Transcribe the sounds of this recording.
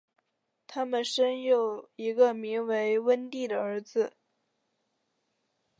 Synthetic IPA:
t̪ʰa˥mə˨nʂə˥njo˥˩ʊi˧˥ɡə˧mi˧˥ŋwe˧˥ɪwə˥nt̪i˥˩d̪ə˩ə˞˧˥d͡zɹ̩˧

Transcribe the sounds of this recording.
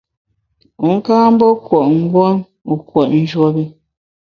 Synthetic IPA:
u˨ŋ̩˦kaː˦m̩˦bɔ˦kwɔ˨ʔŋ̩˦ɡwɔ˦n | u˨kwɔ˨ʔn̩˦d͡ʒwɔ˦bi˦

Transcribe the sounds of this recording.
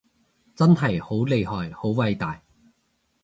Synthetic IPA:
t͡sɐ˥nhɐ˨˩jho˨˥wle˨˧jhɔː˨˩jho˨˥wwɐ˨˧jt̪aː˨j

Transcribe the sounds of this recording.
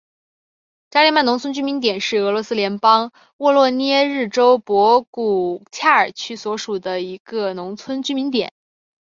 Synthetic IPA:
t͡ɕa˥li˥˧ma˥˩nʊ˧˥ŋt͡sʰwə˥nt͡ɕy˥mi˧˥nt̪jɛ˨˩nʂɻ̩˥˩ɤ˧˥lwɔ˧˥sɹ̩˥ljɛ˧˥npɑ˥ŋ | wɔ˥˧lwɔ˥˩njɛ˥ɻɻ̩˥˩ʈ͡ʂo˥ʊpwɔ˧˥ku˨˩t͡ɕʰja˥˩ə˞˨˩t͡ɕʰy˥swɔ˧˥ʂu˨˩d̪ə˦i˧˥ɡə˧nʊ˧˥ŋt͡sʰwə˥nt͡ɕy˥mi˧˥nt̪jɛ̰˨˩˦n

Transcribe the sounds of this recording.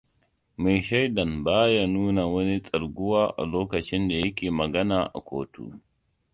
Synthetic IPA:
ma˨ʃɐ˦jdɐ˨nbaː˦ja˦nuː˦na˨wɐ˦ni˦t͡sʼɐ˨ɾɡʷʊ˦waː˦ʔa̰˨loː˦kɐ˨t͡ʃɪ˦nda˨jɐ˦kʲeː˨mɐ˨ɡɐ˦naː˨ʔa̰˨kʷo̰ː˦tṵː˦

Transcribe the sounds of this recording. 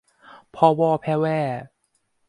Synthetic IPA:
pʰɔː˧wɔː˧pʰɛ˧˥wɛː˧˩

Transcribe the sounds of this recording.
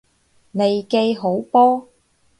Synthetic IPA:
ne˨jke˧jɦo˨˥wpɔː˥

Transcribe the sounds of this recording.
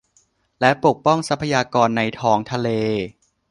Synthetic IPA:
lɛ˦˥po˨˩k̚pɔ˥˩ŋsa˦˥pʰːa˧jaː˧kɔː˧nːa˧jt̪ʰɔː˦˥ŋt̪ʰa˧leː˧

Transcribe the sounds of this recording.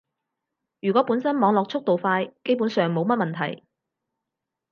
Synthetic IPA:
jyː˨kʷɔː˨˥puː˨˥nsɐ˥nmɔː˨˧˥ŋlɔː˨k̚t͡ʃʰt͡sʰʊ˥k̚t̪o˨wfaː˧jke˥jp̬uː˨˥nsœː˨˩ŋmo˨˧wmɐ˥t̚mɐ˨nt̪ʰɐ̰˨˩j

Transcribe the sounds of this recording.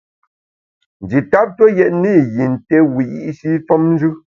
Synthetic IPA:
n̩˨d͡ʒi˨ta˦p̚twə˦jɛ˨ʔni˦˨ji˨n˨te˦wi˨ʔi˦ʔʃi˦fɔ˦mn̩˦d͡ʒʉ˦

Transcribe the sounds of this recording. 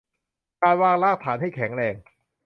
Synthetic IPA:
kaː˧nwaː˥˩klaː˥˩k̚t̪ʰaː˩˦nha˥˩jkʰɛ˩˦ŋɾɛː˧ŋ

